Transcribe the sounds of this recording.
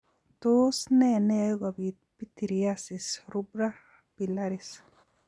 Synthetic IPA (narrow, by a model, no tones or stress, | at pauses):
t̪osnɛnɛjɡabit̚pit̪iɾiasisɾubɾa | b̥ilaɾis